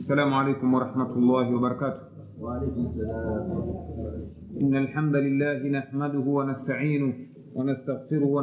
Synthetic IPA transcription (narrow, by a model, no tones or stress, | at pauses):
sːalaːmʊʕalejkʊmwɑɾˤɑħmat̪ʊlˤːɑːhɪwɑbɑɾˤɑkaːt̪ʊ̥h | ʔɪnːalħamd̪alɪlːaːɦɪnaħmad̪ʊhʊwanast̪aʕiːnʊ | wanast̪aɣfɪɾʊhʊwa